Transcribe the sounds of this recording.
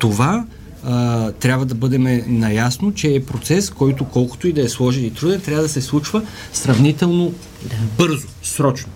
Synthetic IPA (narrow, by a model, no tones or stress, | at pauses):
t̪ova | t̪ɾʲjabvɐd̪ɐbɤd̪ɛmɛnɐjasnot͡ʃɛːpɾot̪sɛskɔjt̪okɔlˠko̥t̪oid̪ɐɛslˠɔʒɛnit̪ɾud̪ɛnt̪ɾjavəd̪ɐsɛslˠut͡ʃvə | sɾɐvnit̪ɛlˠno | bɤɾzosɾɔt͡ʃno